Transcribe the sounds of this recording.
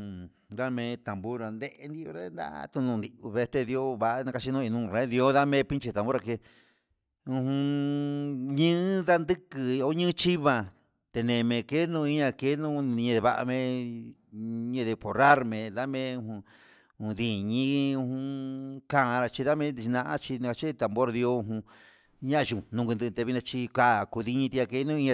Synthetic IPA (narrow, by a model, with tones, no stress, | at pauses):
d̪a˦mẽ˧t̪a˨mbu˦ɾa˧nd̪e˦ʔe˧nd̪i˧o˧ɾa˦nd̪a̰˦˧t̪u˧nũ˧nd̪i˧u˧βe˧t̪e˧ði˧o˦βa˧ʔnã˧ka˧t͡ʃi˧nũ˧i˧nũː˧ɾẽ˧˦ði˧o˦ða˦mẽ˦pi˦t͡ʃi˧t̪ã˨bu˦ɾa˧ke˧ | ũ˧hũ˧ | ɲɨ̃ː˦ða˦nd̪ɨ˦kɨ˧o˧˦ɲɨ̃ː˦t͡ʃi˦βa˧ | t̪e˧nẽ˧˨˧mẽ˧ke˦nũ˧i˧˦ɲã˧ke˧˦nũ˦˧ɲẽ˧ðe˧βa˧ʔa̰˧mẽ˧ | ɲẽ˧ðe˧po˨ɾa˦ɾmẽ˨˧ða˦mẽ˦ũ˧hũ˧ | ũ˧ði˧˨ɲĩ˦˧hũ˧kã˦˧ɾa˧t͡ʃi˧ða˦mẽ˦i˧t͡ʃi˧nã˧ʔã̰˦t͡ʃi˧nĩ˧a˧t͡ʃi˦˧t̪a˨mbo˦ɾði˧o˧ũ˧ɦũ˧ | ɲã˦˧ʒũ˨nũ˧ɡɨ˧nd̪ɨ˧t̪e˧βi˧nã˧t͡ʃi˧ka˧˨ku˧ði˧ɲĩ˧t̪i˧a˧ke˧˦nũ˦˧i˧˦ã˧